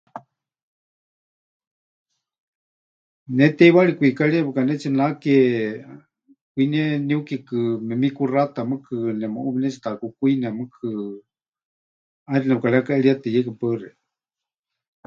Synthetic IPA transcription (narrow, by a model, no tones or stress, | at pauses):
nɛt̪ɛiwaɺikʷikaɺibɨkanɛt͡sʰinakɛ | kʷinɛniukikɨmɛmikurat̪amɨkʰɨnɛmɨʔuβinɛt͡ʃʰi̥t̪akukʷinɛmɨkʰɨ | aɾinɛpɨkaɺɛakaʔɛɺiat̪ejɛkɨpərɛ